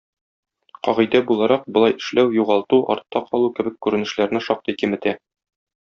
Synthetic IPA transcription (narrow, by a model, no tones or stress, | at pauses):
qɒʁɤ̆jd̪æbulˠɑɾɑq̚bŏlˠɑjɘ̆ʃlæwjuʁɑlˠt̪uʔɒ̰ɾt̪ːɑqʰɒlˠukɘ̆bɘkkːʉɾɘ̆nɘ̆ʃlæɾnɘʃɒq̚t̪ɤjkɘmɘ̆t̪æ